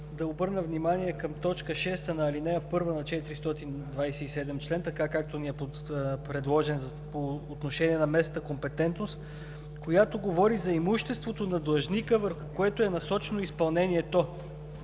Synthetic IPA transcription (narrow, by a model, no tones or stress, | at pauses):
d̪ɐobɤɾnəvnimaniɛkɐmt̪ɔt͡ʃkəʃɛst̪ənɐːlinɛjəpɤɾvənɐt͡ʃɛt̪iɾist̪ɔt̪ind̪vajsɛisɛd̪ɛmt͡ʃlɛnt̪ɐkakak̚t̪oniɛpo | pɾɛd̪lˠɔʒɛnz | poːt̪noʃɛniɛnɐmɛst̪əkompɛt̪ɛnt̪nost̪ | kojat̪oɡovɔɾizɐimuʃt̪ɛst̪vot̪onɐd̪lˠəʒnikəvəɾxʊkoɛt̪oɛnɐsɔt͡ʃɛnoispɐlˠnɛniɛt̪o